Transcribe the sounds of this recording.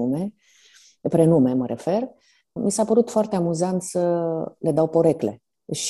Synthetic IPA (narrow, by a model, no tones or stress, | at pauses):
ume̞ | pɾenume̞məɾʔe̞fe̞r | misapəɾut̪foart̪eamuzant̪səle̞d̪awpo̞ɾe̞kle̞̰ | ʃ